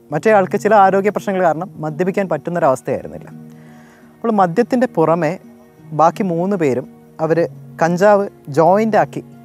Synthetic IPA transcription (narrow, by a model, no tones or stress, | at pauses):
mɐtːejaːɭkɨt͡ɕilɐaːɾo̞ːɡjɐprɐɕnɐŋːɐɭkaːɾɐɳɐmːɐd̪jɐpikʲːaːnpɐtːunːɐoɾɐʋɐst̪ʰɐja̰jiɾṵnːḭlːɐ̰ | ɐpːoɭmɐd̪jɐt̪ːinde̞purɐme̞ | baːkːimuːnːɨpe̞ːɾum | ɐʋɐɾɨkɐɲd͡ʑaːʋɨd͡ʑo̞ːjindaːkːi